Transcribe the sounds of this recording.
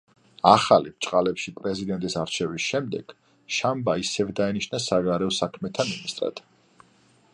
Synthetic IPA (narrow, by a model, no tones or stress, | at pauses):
aχalipt͡ʃʼqʼalɛpʃipʼɾɛzid̪ɛnt̪ʼisaɾt͡ʃʰɛvisʃɛmd̪ɛɡ̥ | ʃambaisɛvd̪ainiʃnasaɡaɾɛɔsakʰmɛt̪ʰaminist̪ʼɾa̰d̪̥